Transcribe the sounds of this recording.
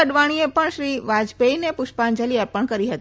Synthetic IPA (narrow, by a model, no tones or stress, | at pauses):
əɖʋaɽ̃iepəɳʃɾiʋad͡ʒbeinepʊʃpand͡ʒəliəɾpəɳkəɾiɦət̪